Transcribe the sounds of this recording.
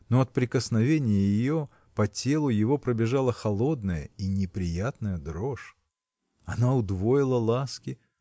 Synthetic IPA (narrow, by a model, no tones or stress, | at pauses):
noɐt̪̚pɾʲɪkəsnɐvʲenʲɪjəjɪjo̞ | pɐtʲe̞lˠʊjɪvo̞pɾəbʲɪʐalˠəxɐlˠo̞d̪nəjə̰inʲɪpɾʲɪjat̪nəjəd̪ɾoʂ | ɐnaʊd̪vojɪlˠəlˠaskʲɪ